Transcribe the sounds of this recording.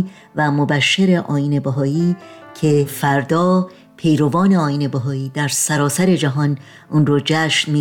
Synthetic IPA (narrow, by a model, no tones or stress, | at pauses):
væmobæʃːeɾe̞ʔɒːiːnebæɦɒːiː | cʰe̞fæɾd̪ɒː | pʰe̞jɾovɒːne̞ɒːiːne̞bæɦɒːiːd̪æɾsæɾɒːsæɾe̞d͡ʒæɦɒn | ʔuːnɾod͡ʒæːʃnmi